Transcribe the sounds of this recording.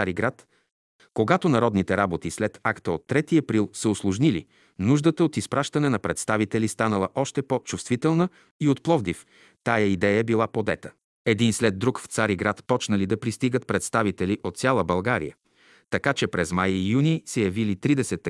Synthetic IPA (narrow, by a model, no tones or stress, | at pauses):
aɾiɡɾat̪ | koɡat̪onɐɾɔd̪nit̪ɛɾabot̪islɛt̪akt̪əot̪ːɾɛt̪iɐpɾilˠsəoslˠʊʒnilḭ | nuʒd̪ət̪əot̪ispɾʔaʃt̪ɐnɛnɐpɾɛt̪st̪avit̪ɛlist̪anəlˠəʔɔʃt̪ɛpot͡ʃust̪vit̪ɛlˠnə | iot̪̚plˠɔvd̪if | t̪ajəid̪ɛjəbilˠapod̪ɛt̪ə̥ | ɛd̪inslɛd̪ːɾukft̪saɾiɡɾat̪pɔt͡ʃnəlid̪ɐpɾist̪iɡət̪̚pɾɛt̪st̪avit̪ɛliʔot̪sʲjalˠəbɐlˠɡaɾḭjə | t̪ɐkat͡ʃɛpɾɛzmajjunisɛjɐvilit̪ɾid̪ɛsɛt̪ː